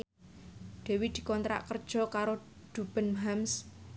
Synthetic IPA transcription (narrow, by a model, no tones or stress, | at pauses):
d̪̥e̤wid̪̥i̤kɔnt̪ɾa̰ʔkərd̥ʒ̥ɔ̤kaɾoɖ̪̥ub̥ə̤nɦams